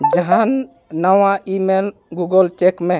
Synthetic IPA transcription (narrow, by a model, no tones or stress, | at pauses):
d͡ʒəɦanː | əwaʔimelɡuɡəlt͡ʃekme